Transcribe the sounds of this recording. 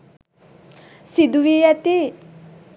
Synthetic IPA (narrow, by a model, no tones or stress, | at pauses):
sid̪uʋijat̪i